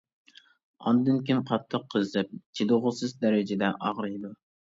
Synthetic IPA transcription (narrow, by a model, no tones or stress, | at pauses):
ɑ̰nd̪ɨnkʲʰimqʰɑt̪ʰːəqʰːəzɨp̚t͡ʃʰed̪ʊʁʊsɨzd̪æɾɪd͡ʒɪd̪ɛʔɑʁɾɑjd̪u